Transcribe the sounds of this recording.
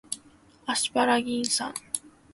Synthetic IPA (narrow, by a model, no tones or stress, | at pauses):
aɕi̥paɾaɡʲĩɰ̃sã̰ŋ